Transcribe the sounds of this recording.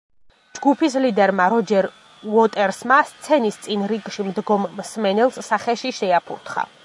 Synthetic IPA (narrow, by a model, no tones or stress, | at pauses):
d͡ʒɡupʰis̬lid̪ɛɾmaɾɔd͡ʒɛɾ | wɔt̪ʼɛɾsmast̪sʰɛnist̪sʼinɾiɡʃimd̪ɡɔmːsmɛnɛlˠsːaχɛʃiʃɛapʰuɾt̪ʰχa̰